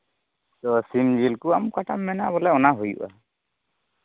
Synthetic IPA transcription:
t̪ɔsimd͡ʒilkuamkaʈamːɛnabɔlɛɔnaɦojṵʔa

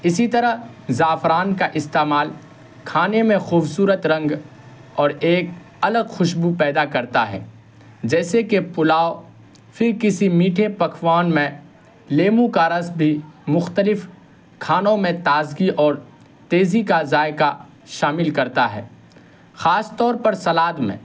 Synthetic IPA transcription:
ɪsit̪ɐɾəɦ | zaːfɾaːnkaʔɪst̪eːmaːl | kʰaːnemẽxuːbsuːɾət̪ɾɐ̃ŋɡ | ɔːɾeːk̚ | ɐləɡxʊʃbupɛːd̪akɐɾt̪aɦɛ̰ː | d͡ʒɛːsekepʊlaːo | fɪɾkɪsimiːʈʰepɐkʰwaːnmẽ | leːmũkaɾəsbʱimʊxt̪əlɪf | kʰaːnõmẽt̪aːzɡiʔɔːɾ | t̪eːzikazaːɪka | ʃaːmɪlkɐɾt̪aɦɛ̰ː | xaːst̪ɔːɾpɐɾsɐlaːd̪mḛ̃

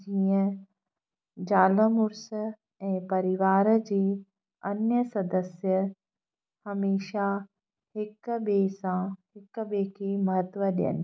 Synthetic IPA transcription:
d͡ʒijə̃ | d͡ʒaːləmuɾsə | ɛ̃ːpɐɾiʋaːɾəd͡ʒeː | ɐnjəsɐd̪əsjə | hɐmeːʃaː | hɪkːbeːsãhɪkːəbeːkeːmɐɦət̪ʋɐd̪jɐ̰n

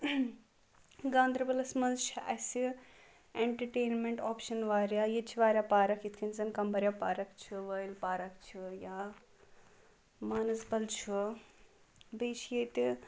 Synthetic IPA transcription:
ɡaːnd̪ɾɐbɐlɐsmɐnzt͡ʃʰiʔɐsi | eɳʈɐɾʈeːnmeɳʈoːpʃɐnʋaːɾjaːjit͡ʃʰiʋaːɾʲjapaːɾɐkʰjit̪ʰkʰinzɐnkɐmbɐɾʲjaːpaːɾɐkt͡ʃʰuʋɐjlpaːɾɐkt͡ʃʰujaː | maːnɐsbɐlt͡ʃʰu | biːt͡ʃʰjet̪i

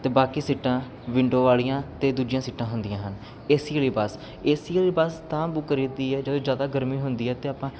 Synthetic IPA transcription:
t̪eːbaːkiːsɪʈːãː | ʋɪɳɖõːʋaːlijãːt̪eːd̪uːd͡ʒɪjãːsɪʈːãːɦʊnd̪ɪjãːɦən | eːsiəliːbaːs | eːsiliːbaːst̪ãːbʊkəɾiːd̪iːɛːd͡ʒəd̪õːd͡ʒjaːd̪aːɡəɾmiːɦʊnd̪iːɛːt̪eːaːpãː

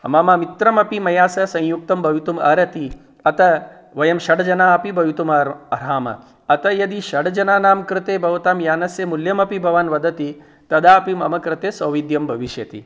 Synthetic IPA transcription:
ɐ̰maːmaːmit̪ɾɐmɐpimɐjaːsɐsɐ̃j̃juk̚t̪ɐmbʱɐʋit̪umɐ̰ɾɐt̪i | ɐt̪ɐ | ʋɐjɐmʃɐɽɐd͡ʒɐnaːɐpibʱɐʋit̪umɐɐɾaːmɐ̰ | ɐt̪ɐjɐd̪iʃɐɖɐd͡ʒɐnaːnaːmkɾɪt̪eːbʱɐʋɐt̪aːmjaːnɐsjɐmuljɐmɐpibʱɐʋaːnʋɐd̪ɐt̪i | t̪ɐd̪aːɐpimɐmɐkɾɪt̪eːsɐːʋid̪jɐmbʱɐʋiʃjɐt̪ḭ

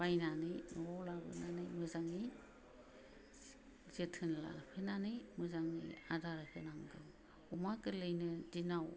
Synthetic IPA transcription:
bajnanɯjnɔlabɯ̰nanɯjmɯzaŋij | zetʰɯnla̰pʰenanɯjmɯzaŋḭjadaɾɯkʰɯnaŋɡɯm | umakɯlɯjnɯdinaw

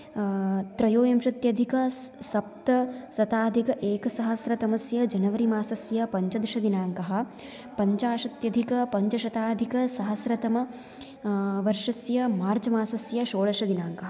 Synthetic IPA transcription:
t̪ɾɐjoːjɐmʃɐt̪jɐd̪ʱikɐsɐp̚t̪ɐsɐt̪aːd̪ʱikɐʔeːkɐsɐɦɐsɾɐt̪ɐmɐsjɐd͡ʒɐnɐʋɐɾimaːsɐsjɐpɐɲt͡ʃɐd̪ɾʃɐd̪inaːŋkɐɦɐ̆ | pɐɲt͡ʃaːʃɐt̪jɐd̪ʱikɐpɐɲt͡ʃɐʃɐt̪aːd̪ʱikɐsɐɦɐsɾɐt̪ɐmɐ | ʋɐɾʂɐsjɐmaːɾd͡ʒɐmaːsɐsjɐʃoːɭɐʃɐd̪inaːŋkɐɦɐ

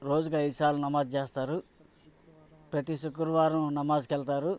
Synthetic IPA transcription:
ɾo̞ːd͡ʒukɐjd̪usaːɾlːunɐmaːd̪̚t͡ʃeːst̪aːɾu | pɾɐt̪isukːuɾʋaːɾɐmnɐmaːd͡ʒkɛlt̪aːɾu

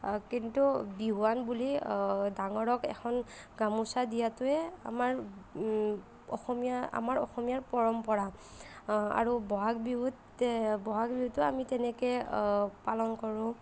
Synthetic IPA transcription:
kintubiɦuwanbulidaŋɔɹɔkɛ̰kʰɔnɡamusadijatʊɛa̰maɹ | ɔ̰xɔmijaa̰maɹɔ̰xɔmijaɹpɔɹɔmpɔɹa | a̰ɹubɔɦak̚biɦut | bɔɦak̚biɦutːʊamitɛnɛkɛpalɔnkɔɹʊ̃

